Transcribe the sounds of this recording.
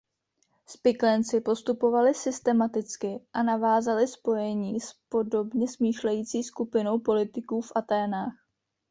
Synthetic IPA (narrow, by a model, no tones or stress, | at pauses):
spɪklɛnt͡sɪpo̞st̪upo̞valɪsɪst̪ɛmat̪ɪt͡skɪʔanavaːzalɪspo̞jɛɲiːspo̞do̞bɲɛsmiːʃlɛjiːt͡siːskupɪno̞wpo̞lɪt̪ɪkuːfʔat̪ɛːnaːx